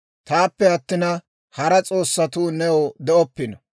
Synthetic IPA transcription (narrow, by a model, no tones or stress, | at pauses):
t̪aːpːɛɐt̪ːɪnɐ | hɐɾɐt͡sʼo̞ːsːɐt̪uːnɛod̪ɛʔɔpːɪnɐ